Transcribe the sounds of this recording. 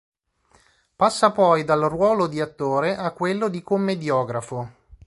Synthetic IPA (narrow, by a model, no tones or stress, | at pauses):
pasːapɔjd̪alrwɔːlod̪iat̪ːoːɾeʔakːwelːod̪ikomːed̪jɔːɡɾafo